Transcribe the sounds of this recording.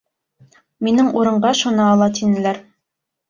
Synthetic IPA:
minɘŋuɾɤ̆ɴɢɑʃunɤːlˠɑt̪inɘ̆læɾ

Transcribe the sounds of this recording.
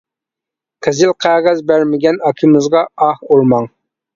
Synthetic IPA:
qʰɛzɪlqʰæʁæzbæɾmɪɡʲɛnɑkʲʰimɪzʁɑɑhuɾmɑŋ

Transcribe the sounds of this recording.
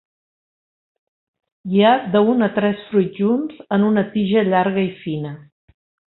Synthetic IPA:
iad̪əunət̪ɾɛsfɾujt̪ʒunzənunət̪iʒəʎaɾɣəifinə

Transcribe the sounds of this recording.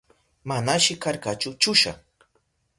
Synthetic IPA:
manaʃɪkaɾkat͡ʃʊt͡ʃʊʃa̰

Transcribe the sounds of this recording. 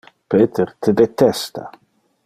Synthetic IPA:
peːt̪ʰeɾt̪ʰed̪et̪ɛst̪a̰

